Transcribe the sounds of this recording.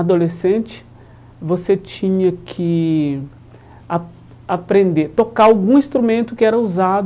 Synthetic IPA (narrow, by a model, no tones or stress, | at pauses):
ad̪olesẽnt͡ʃɪ̥ | voset͡ʃĩɲɐkʰɪ | a | apɾẽnd̪et̪okaawɡũĩst̪ɾumẽnt̪ʊkɪɛɾɐuzad̪